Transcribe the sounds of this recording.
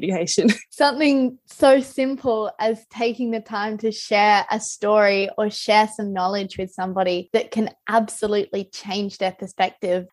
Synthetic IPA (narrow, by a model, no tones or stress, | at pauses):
ɨeɪʃɨ̃nsʌ̃mθɪ̃ŋsoʊsɪ̃mpʰl̩ˠɨz̥tʰeɪkɪ̃ŋðɨtʰãɪ̃mtʰɨʃɛɹɨstɔɹiə˞ʃɛɹsʌ̃mnɑlˠɪd͡ʒwɨð̥sʌ̃mbɑɾiðɨt̚kʰɨ̃nʔæbsəlʉʔlit͡ʃʰẽɪ̃nd͡ʒðə˞pʰə˞spɛk̚tɪv̥